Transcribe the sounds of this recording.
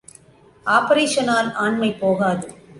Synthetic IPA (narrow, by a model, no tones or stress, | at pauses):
ʔaːpɐɾeːʂɐnaːlaːɳmɐɪpːoːɣaːðɯ